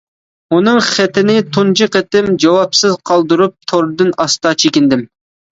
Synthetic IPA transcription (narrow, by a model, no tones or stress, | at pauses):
unɨŋχɛt̪ɪnɪt̪ʰund͡ʒɨqɛt̪ɪmd͡ʒɑwɑpsɨzqʰɑlˠd̪ɨɾup̚t̪ʰoɾd̪ɨnɑst̪ɑt͡ʃʰekʲɪnd̪ɪm